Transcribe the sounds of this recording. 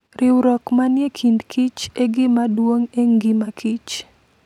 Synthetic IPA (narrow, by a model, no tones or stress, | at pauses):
ɾʔɪwɾɔkmanjekʰindkʰit͡ʃeɡɪmadwoŋeŋɡɪmakʰit͡ʃ